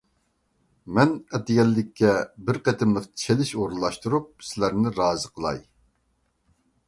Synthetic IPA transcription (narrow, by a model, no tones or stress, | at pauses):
mɛnɛt̪ɪɡʲɛlːɪkʲːɛbɪɾqɛt̪ʰɪmlˠəqt̪ʰi̥t͡ʃʰelɪʃoɾulˠːɑʃt̪uɾup̚sɪlæɾnɪɾɑːzəqʰəlˠɑ̰j